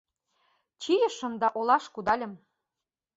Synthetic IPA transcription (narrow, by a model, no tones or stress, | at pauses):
t͡ɕijə̆ʃə̆md̪ɑʔolɑʃkud̪ɑlʲə̆m